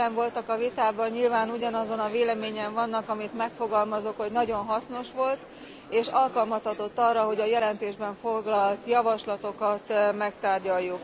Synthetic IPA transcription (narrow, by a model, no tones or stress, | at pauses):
ɛɱvo̞lt̪ɒkɒvit̪aːbɒɲɲilvaːnuɟɒnɒzo̞nɒveːlɛmeːɲɛɱvɒnːɒkɒmit̪mɛkfo̞ɡɒlmɒzokho̞ɟnɒɟo̞nɦɒsno̞ʃʋo̞lt̪ | eːʃɒlkɒlmɒshɒt̪o̞t̪ːɒrɒɦo̞ɟɒjɛlɛnt̪eːʒbɛɱfo̞ɡlɒlt̪jɒvɒʃlɒt̪o̞kɒt̪mɛkt̪aːrɟɒjːuk